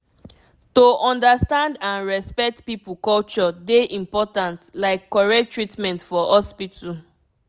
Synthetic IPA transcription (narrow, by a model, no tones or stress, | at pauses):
toʔɔ̃ndəstãndãnɹɛspɛk̚tpipukɔlt͡ʃɔdeʔĩmpɔtãntlaɪkːɔɹɛk̚tɹitmɛ̃ntfɔhɔspitʰu